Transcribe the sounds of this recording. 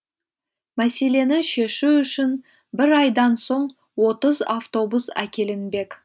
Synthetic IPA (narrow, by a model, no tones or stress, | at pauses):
mæse̞le̞nɪʃe̞ʃuʏʃɪn | bɪɾɑjd̪ɑnso̞ɴ | wo̞t̪əzaft̪o̞busæ̰kʲʰe̞lɪnbe̞kʲ